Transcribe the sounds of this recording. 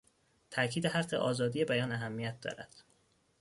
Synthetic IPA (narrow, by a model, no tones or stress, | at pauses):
t̪ʰæʔcʰiːd̪eɦæe̞̰ʔɒːzɒːd̪iːje̞bæjɒːnæɦæmːijæt̪̚d̪ɒ̰ːɾæ̰d̪̥